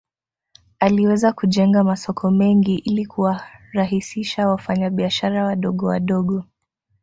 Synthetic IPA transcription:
aliwɛzakuʄɛŋɡamasɔkʰɔmɛŋɡiʔilikʰuwaɾaɦisiʃawafaɲaɓiaʃaɾawaɗɔɠɔwaɗɔɠɔ

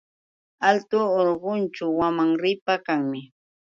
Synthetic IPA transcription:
alt̪ʊːɾɢʊnt͡ʃawamaŋɾɪpakaŋmɪ

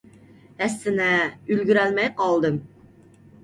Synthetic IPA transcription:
æsːɪnɛylɡʲyɾælmɛjqɑlˠd̪ɨm

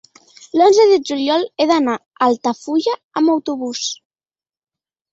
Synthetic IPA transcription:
lonzəðəd͡ʒuljɔleðana | alˠt̪afuʎaːmawt̪uβus

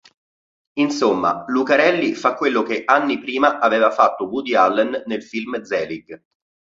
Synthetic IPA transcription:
insomːa̰lukaɾɛlːifakːwelːokeʔanːipɾiːmaʔaveːvafat̪ːobud̪ialːɛnːelfilmd̪zɛːliɡ

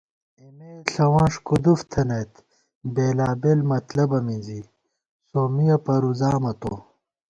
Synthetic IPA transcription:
emeɬɐwãːʂkud̪uft̪ʰɐnet̪ | beːlaːbelmɐt̪lɐbɐmizi | soːmijɐpɐɾuzaːmɐt̪o

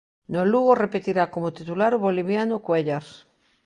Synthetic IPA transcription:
noluɣorepet̪iɾakomot̪it̪ulaɾoβoliβ̞janokweʎaɾ

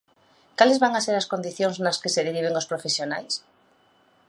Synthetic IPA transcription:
kalezβaŋaseɾaskõnd̪iθjoŋznaskeseðeɾiβ̞eŋospɾofesjonajs

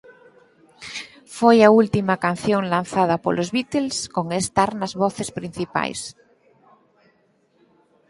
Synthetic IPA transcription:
fojault̪imakan̟θjoŋlan̟θað̞apolʔozβit̪elskoŋest̪aɾnazβoθespɾin̟θipa̰js

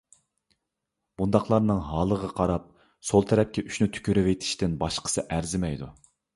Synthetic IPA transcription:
b̥und̪ɑχlˠɑɾnɨŋɦɑːlˠəʁɑqʰɑɾɑp̚ | solˠt̪ʰɛɾɛp̚kʲɛʔyʃnyt̪ʰy̥kʲʰyɾɪvet̪ʰɪ̥ʃt̪ɪnbɑʃqʰə̥sɨʔæɾzɪmɛjd̪u

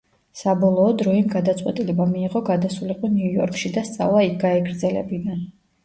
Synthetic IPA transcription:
sabɔlˠɔːd̪ɾɔimɡad̪at̪sʼqʼwɛt̪ʼilɛbamiːʁɔɡad̪asuliqʼɔniujɔ̰ɾkʼʃid̪ast̪sʼa̰vlˠaik̚ʰɡaɛɡɾd̪zɛlɛ̰bid̪an

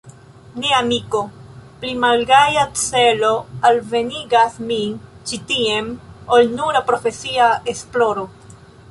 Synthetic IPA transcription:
niaːmiko̞plimalɡajat͡se̞lo̞alve̞niɡasmit͡ʃitie̞molnuɾapɾo̞fe̞siae̞splo̞ɾo̞

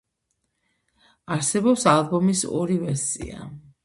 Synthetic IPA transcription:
aɾsɛbɔpsalˠbɔmisɔ̰ɾivɛɾsḭa̰

